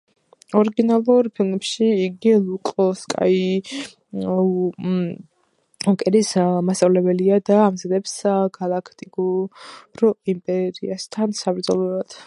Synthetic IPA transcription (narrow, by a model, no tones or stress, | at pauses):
ɔɾiɡinalˠuɾpʰilˠmɛpʃiːɡilˠukʼɔskʼa̰i | ɔkʼɛɾismast̪ʼavlɛbɛliad̪aːmzad̪ɛpsɡalˠakʰt̪ʼiɡuɾɔimpʼɛɾiast̪ʰansabɾd̪zɔlˠɔɾad̪̥